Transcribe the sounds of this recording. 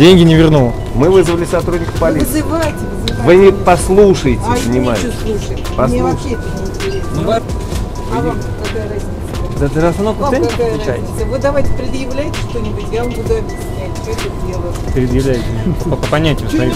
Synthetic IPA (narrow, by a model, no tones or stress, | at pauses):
dʲenʲɡʲɪnʲɪvʲɪrnulˠə | mɨvɨzvəlʲɪsɐt̪ɾudʲnʲɪkə̥fpɐlʲizɨvajtʲɪvzvɨpɐslˠuʂəjtʲɪzənʲɪmajɪslˠuʂ | pɐsˠet̪ʲɪnʲɪɪnʲtʲɪɾʲesn | kɐkajɾɐzʲisd̪at̪ɨʐɐst̪ɐnofk̪əsenʲɪkp̪ˠt͡ʃa̰j̪ʲsəvot̪̚d̪ɐvajtʲɪ̥pɾʲɪd̪jɪvlʲæjɪtʲɪ̥ʂt̪onʲɪbʊtʲɡalˠʊd̪abʲɪt̪ʲɪsʲnʲætʲsʲoet̪ədʲelˠə | pɾʲɪd̪jɪvlʲæjɪtʲɪpəpɐnʲætʲɪjʊzɐvʲi